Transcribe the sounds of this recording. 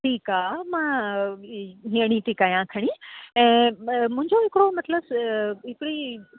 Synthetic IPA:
ʈʰiːkaːmãː | ɦĩəɽ̃it̪iːkaːjãkʰɐɽ̃iɛ̃ːmʊ̃ɦɪ̃ɲd͡ʑoɦɪkɪɽomɐt̪ləbɦɪkɪɽi

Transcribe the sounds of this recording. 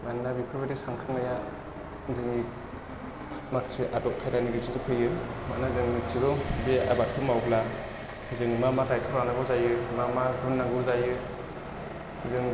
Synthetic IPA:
mannabipʰɔbetisaŋkʰɯŋnaja | zɯŋi | maksiʔatɔʔ̚kʰajɾaniɡizidɯkʰɯjɯmanazɯŋmitsiɡɔbea̰bat̚ʰɯmawbʰla | zɯŋmamatajkʰɯɾanaɡɔzajɯmamaɡunːaŋɡɔzajɯ | zɯŋ

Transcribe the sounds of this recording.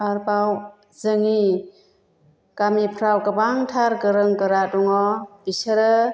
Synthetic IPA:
aɾbaw | zɯŋi | ɡ̥amipʰɾawkabaŋtʰaɾɡɯɾɯŋɡɯɾadɔŋɔb̥isəɾɯ

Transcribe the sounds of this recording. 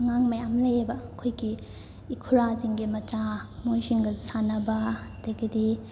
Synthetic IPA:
ŋaŋmɐjamlɐjebɐkʰojɡiː | kʰuɾaziŋɡimɐt͡ʃamojsiŋɡɐzsanɐbɐdajɡidi

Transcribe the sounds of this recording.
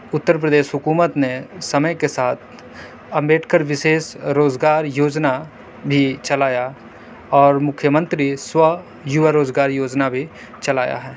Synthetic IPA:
ʊt̪ːəɾp̬ɾəd̪eːʃɦʊkuːmət̪nesɐməjkesaːt̪ʰ | ɐ̃mbeːʈʰkəɾʋɪʃeːsɾoːzɡaːɾjoːd͡ʒna | bʱit͡ʃɐlaːja | ɔːɾmʊkʰːjəmə̃nt̪ɾiswə | jʊʋəɾoːd͡ʒɡaːɾjoːd͡ʒnabʱi | t͡ʃɐlaːja̰ɦɛː

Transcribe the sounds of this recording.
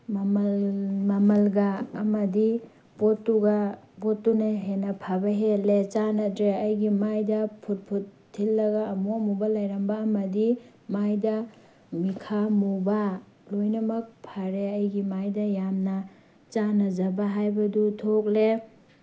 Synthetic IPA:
mmmɐmɐlɡaɐmɐdi | botːuɡa | botːuneɦenɐpʰabɐɦelet͡ʃanɐtɾeɐjɡimajdɐpʰut̚pʰutʰːilːɐɡaːmuɐmubɐlajɾɐmbaːmɐdi | majdɐ | mikʰamuba | lojnɐmɐk̚pʰaɾeɐjɡimajdɐjamnɐ | t͡ʃanɐd͡ʒɐbaɦajbɐdutʰok̚le

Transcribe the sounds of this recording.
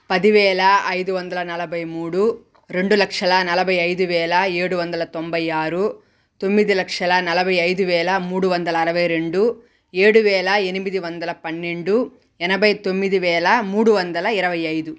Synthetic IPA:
pɐd̪iʋɛːlɐɐjd̪uʋɐnd̪ɐlɐnɐlɐbɐjmuːɽu | ɾe̞ɳɖulɐkʂɐlɐnɐlɐbɐjɐjd̪uʋɛːlɐeːɽuʋɐnd̪ɐlɐt̪ombɐjaːɾu | t̪o̞mːid̪ilɐkʂɐlɐnɐlɐbɐjɐjd̪uʋɛːlɐmuːɽuʋɐnd̪ɐlɐːɾɐʋɐjɾe̞ɳɖu | eːɽuʋɛːlɐenimid̪iʋɐnd̪ɐlɐpɐnːe̞ɳɖu | ɛnɐbɐjt̪o̞mːid̪iʋɛːlɐmuːɽuʋɐnd̪ɐlɐiɾɐʋɐjɐjd̪u

